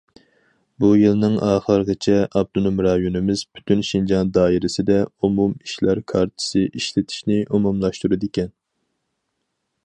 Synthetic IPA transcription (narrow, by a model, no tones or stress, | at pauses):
bujɨlˠnɨŋɑːχəɾɡɨt͡ʃʰɛʔɑb̚d̪unumɾɑːjunɨmɪzbʰy̥t̪ʰynʃind͡ʒɑnd̪ɑːiɾɪsɪd̪ɛumumiʃlæɾkʰɑɾt͡ʃʰɪ̥sɨʔiʃlɪt̪ʰi̥ʃnɪʔumumlˠɑʃt̪uɾɨd̪ɪkʲɛn